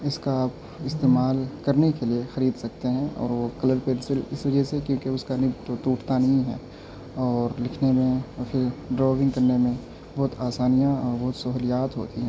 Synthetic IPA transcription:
ɪskaaːp | ɪst̪eːmaːlkɐɾnekeliexɐɾiːd̪sɐk̚t̪eɦɛ̃ɔ̰ːɾʋokɐləɾpeːlsɪlɪsʋɐd͡ʒɛɦsekjõːkeʊskanɪt̪ot̪uːʈʰt̪anɐɦĩɦɛ̰ː | ɔːɾlɪkʰnemẽfʰɪɾɖɾɔːʋɪ̃ŋɡkɐɾnemẽ | bɔɦt̪aːsaːnijãɔːɾbɔɦʊt̪sɐɦʊlijaːt̪ɦo̰ːt̪iɦɛ̃ː

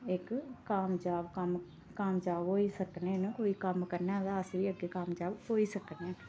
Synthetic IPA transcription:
ɪkːaːmd͡ʒaːbkəm | kaːmd͡ʒaːbɦoːiːsəkneːnəkoːiːkəmkəɾnẽːd̪aːəsʋiːəɡeːkaːmd͡ʒaːbɦoːiːsəkneɛː

